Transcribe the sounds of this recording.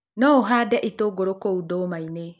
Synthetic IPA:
nɔoɦadɛʔitoɡoɾokoudɔːmaine

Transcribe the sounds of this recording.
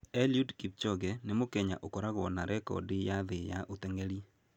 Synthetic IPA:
ɛljudkip̚t͡ʃɔɡɛnɪmokɛɲa̰ʔokɔɾaɣɔnaɾʔɛkɔ̰dɪjaðɪja̰ʔot̪ɛŋeɾi

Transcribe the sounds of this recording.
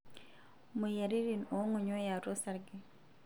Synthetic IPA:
mujaɾiɾinoŋoɲojaɾosaɾɡe

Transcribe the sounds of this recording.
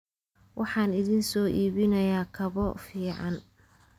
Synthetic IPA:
wʔɑħɑːnɪðiːnsɔːʔiːβɪnɐjaːkʰɐβɔfiːʕɑn

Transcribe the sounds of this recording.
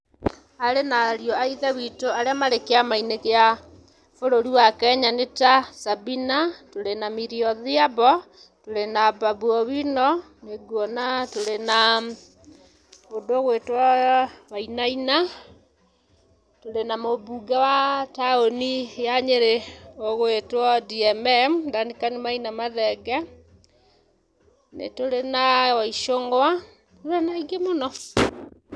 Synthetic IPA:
aɾenaɾiɔaiðɛβitoaɾeamaɾekeamainekea | foɾoɾiwakɛɲanetasabinatoɾenamiɾiɔðiabɔ | toɾenabaβuɔβinɔ | neɡwɔnatoɾena | odoɣwetwaβainaina | toɾenamoβuɡawataonijaɲeɾeoɣwetwɔdiɛmɛmdanikanimainamaðɛɡɛ | nḛtoɾenawaiʃoŋɡwa | toɾenaiɡemonɔ

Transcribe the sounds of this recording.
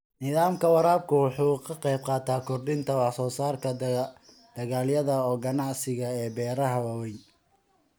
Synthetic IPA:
nɪðaːmkʰɐwɑɾaːb̚kʰʊwɑħuːkʰɐqɑjb̚qɑːt̪ʰaːkʰɔrɖɪnt̪ʰɐwɑħsɔːsaːrkʰɐ | d̪̥ɐɣaːljɐðɐɔːɡɐnɑʕsɪɣɐɛːbɛːɾɐɦɐwɐwɛj

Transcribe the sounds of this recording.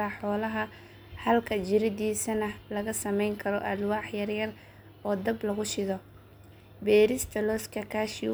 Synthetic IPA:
ɐħɔːlɐɦɐ | hɐlkʰɐd͡ʒɪɾɪd̪iːsɐnɐlɐɣɐsɐmɛjŋkʰɐɾɔʔɐd̪wɑːħjɐrjɐr | ɔːd̪ɐblɐɣʊʃɪðɔ | bɛːɾɪst̪ʰɐlɔːskʰɐkʰaʃɪ

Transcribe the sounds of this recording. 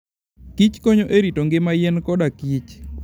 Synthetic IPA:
kit͡ʃkoɲoʔeɾitoŋɡɪmajɛnkɔɗakit͡ʃ

